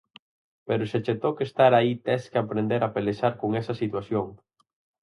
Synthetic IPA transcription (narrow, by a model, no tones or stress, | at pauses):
peɾʊʃet͡ʃet̪okest̪aɾait̪ɛskeapɾend̪eɾapeleʃaɾkoŋɛsɐsit̪waθjoŋ